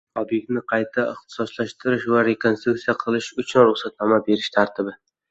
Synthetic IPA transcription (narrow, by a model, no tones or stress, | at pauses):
ɒbje̞k̚ʲt̪nɪqʰɑjt̪ʰaɪχt̪ʰɪ̥sɒslaʃt̪ʰɪɾɪʃvaɾe̞kʰonst̪ɾukt̪sijaqʰɨlˠɪʃʊt͡ʃʰʊnɾʊχsat̪nɒmabe̞ɾɪʃt̪ʰaɾt̪ʰɪbɪ